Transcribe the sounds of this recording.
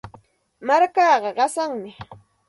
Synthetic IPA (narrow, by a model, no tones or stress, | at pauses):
maɾkɑːɢɑɢɑsaŋmɪ